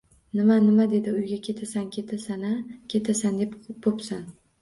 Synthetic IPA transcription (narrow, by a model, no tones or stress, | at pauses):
nɪmanɪmad̪e̞d̪ɪʊjɡʲakʲʰe̞t̪ʰasankʲʰet̪ʰasanakʲʰe̞t̪ʰasand̪e̞pbopsan